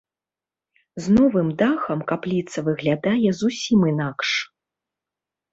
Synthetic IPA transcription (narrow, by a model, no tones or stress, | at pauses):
znɔvɨmd̪axɐmkaplʲit̪sɐvɨɣlʲad̪ajɛzusʲimɨnakʂ